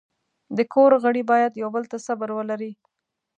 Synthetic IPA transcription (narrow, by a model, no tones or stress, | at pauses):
d̪əkʰoɾɣəɽibɑjad̪jawbəlt̪asabəɾwəlaɾi